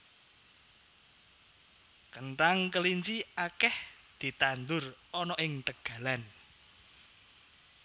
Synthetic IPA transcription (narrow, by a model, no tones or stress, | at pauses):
kənʈaŋkəliɲt͡ʃiakɛh | d̪̥i̤t̪and̪ʊrɔnɔʔɪŋt̪əɡ̥ä̤lan